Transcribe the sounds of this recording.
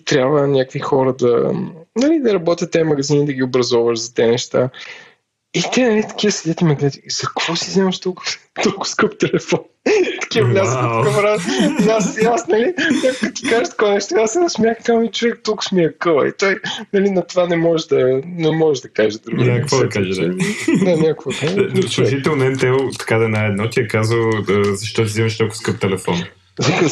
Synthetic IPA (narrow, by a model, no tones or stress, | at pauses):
t̪ɾʲabvənʲakvixɔɾəd̪ɐ̰nɐlid̪ɐɾɐbɔt̪ʲət̪ːɛmɐɡɐzinid̪ɐɡʲiʊbɾɐzɔvəʃzɐt̪ɛnɛʃt̪a̰ | it̪ɛnɐlit̪ɐ̥k̟ʲivəsɛd̪ɛt̪imɐɡnɛt̪izɐkv̥ɔsizɛmɐʃt̪ɔlˠkt̪ɔlˠkʊ̥skəpt̪ɛlɛfɔnt̪ɐ̥kʲivəvlʲazət̪əkəfɾasasasnɐlinakkət̪i̥kaʒəʃt̪ɐ̥kɔjnɛʃt̪oasɛnɐsmʲjaxkamit͡ʃʊvɛk̚t̪ɔkʊ̥smʲiɐkolˠɐ̰ḭt̪ɔjnɐlinɐt̪ovanɛmɔɛʒd̪ɐnɛmɔɛʒd̪ɐkaʒəd̪ɾuɡnakvɔd̪ɐkaʒɛd̪d̪anʲakvokaʒslˠuʒit̪ɛlˠnɐɛmt̪ɛlˠt̪ɐ̥kad̪ɐnaɛd̪nɔt̪ʲiɛkazəlˠzɐʃt̪ɔt̪̬izɛməʃt̪ɔlˠkʊ̥skɤp̚t̪ɛlɛfɔ̰n | zɐkə